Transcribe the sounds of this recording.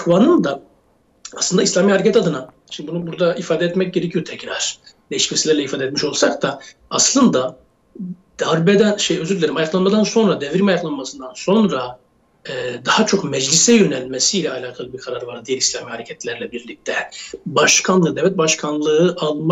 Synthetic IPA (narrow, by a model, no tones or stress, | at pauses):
kvanɯnd̪a | aslˠɯnd̪aislʲaːmiːhaɾecʰɛt̪ad̪ɯna | ʃʰimd̪ibunubuɾd̪aifaːd̪ɛɛt̪mɛc̚ɟe̞ɾecʰijot̪ʰɛcɾaɾ̥d̪ejiʃmɛsilʲæɾlɛifaːd̪ɛt̪miʃo̞lˠsak̚t̪aaslˠɯnd̪a | d̪̥aɾbɛd̪ænʃejøzyɾlʲeɾimajaklˠanmad̪anso̞nɾad̪ɛvɾimajaklˠanmasɯnd̪anso̞nɾa | ɛd̪ahat͡ʃʰo̞kmɛd͡ʒlʲisɛjø̞nælʲmesiːlʲɛalʲaːkʰalˠɯbiɾkʰaɾaɾvaɾd̪ijælʲislʲaːmihaɾecʰɛt̪lʲæɾlʲɛbiɾlʲic̚t̪ʰɛbaʃkʰanlˠɯːd̪ɛvɛt̪̚baʃkʰanlˠɯɯʔalˠm